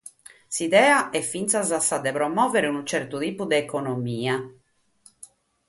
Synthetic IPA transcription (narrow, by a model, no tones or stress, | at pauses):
siðɛːaʔɛfint̪sazasːad̪ɛpɾɔmːɔːvɛɾeunut͡ʃɛɾt̪ut̪iːpud̪ɛːkɔnomiːa